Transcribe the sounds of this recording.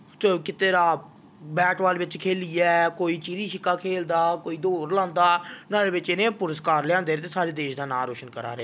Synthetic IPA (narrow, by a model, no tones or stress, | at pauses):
sokɪt̪eːɾaː | bɛːʈʋaːlːʋɪt͡ʃkʰeːliːɛːkoːiːt͡ʃiːɾiːʃɪkːaːkʰeːld̪aːkoːiːd̪oːɾlãːnd̪aːnaːɾeːʋɪt͡ʃɪnẽːpʊɾəskaːɾlãːnd̪eːt̪eːsaːɾeːd̪eːʃd̪aːnaːɾoːʃənkəɾa̰ːɾeɛː